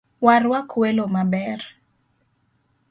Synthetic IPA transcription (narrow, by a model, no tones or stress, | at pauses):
waɾwakwelomabɛr